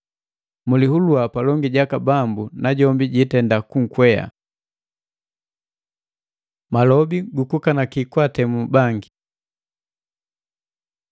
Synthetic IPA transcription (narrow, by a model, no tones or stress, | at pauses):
mulihuluapalɔŋɡiɟakabambunaɟɔmbiɟitɛndakuŋ̩kwɛja̰ | malɔbiɡukukanakikwatɛmubaŋɡi